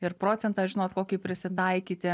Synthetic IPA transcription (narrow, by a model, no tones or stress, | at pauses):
ɪɾpɾoːt̪sʲɛnt̪ɑːʒʲɪnoːt̪koːkʲiːpʲɾʲɪsʲɪt̪ɐɪkʲiːt̪ʲɪ